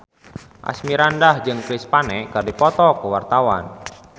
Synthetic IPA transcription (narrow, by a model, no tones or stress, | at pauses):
ʔa̰smiɾandahd͡ʒɨŋkɾispanɛkərdipɔt̪ɔkəwart̪awa̰n